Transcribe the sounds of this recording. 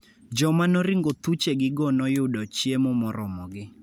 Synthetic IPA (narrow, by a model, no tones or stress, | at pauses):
d͡ʒɔmanɔɾɪŋɡot̪ut͡ʃeɡɪɡɔnɔjʊdɔt͡ʃjemɔmɔɾʔɔmɔɡɪ